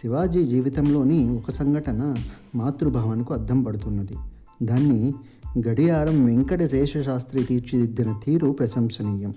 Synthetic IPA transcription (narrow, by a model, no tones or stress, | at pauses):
siʋaːd͡ʒiːd͡ʒiːʋit̪ɐmlo̞ːniɔkɐsɐŋɡʱɐʈɐnɐ | maːt̪ɾubʱaːʋɐnɐkuɐd̪ʱːɐmpɐɽut̪unːɐd̪i | d̪aːnːi | ɡɐɽijaːɾɐmʋeŋkɐɽesɛːʂɐʃaːst̪ɾit̪iːɾt͡ʃid̪id̪ːinɐt̪iːɾupɾɐsɐmsɐniːjɐm